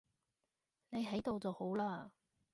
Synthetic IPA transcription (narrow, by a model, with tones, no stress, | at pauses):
ne˨˧jɦɐ˨˥jt̪o˨wt͡sɐ˨who˨˥wlaː˥